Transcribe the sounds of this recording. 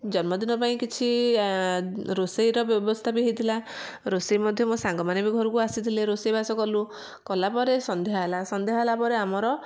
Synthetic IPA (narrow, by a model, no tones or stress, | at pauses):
d͡ʒɔnmɔd̪inɔpaĩkit͡ʃʰi | ɾosejɾɔbjɔbɔst̪ʰapiɦit̪ʰila | ɾosejmɔd̪ʱjɔmũsaŋɡɔmanebiɡʱɔɾukuasit̪ʰileɾosejbasɔkɔlu | kɔlapɔɾesɔnd̪ʱejɦalasɔnd̪eɦalapɔɾeamɔɾɔ